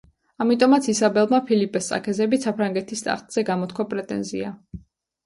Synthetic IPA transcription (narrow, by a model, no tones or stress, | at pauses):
amit̪ʼɔmat̪sʰisabɛlˠmapʰilipʼɛsʼa̰kʰɛzɛbisapʰɾaŋɡɛt̪ʰist̪ʼa̰χt̪ʼz̥ɛɡamɔt̪kʰwapʼɾɛt̪ʼɛ̰nzḭa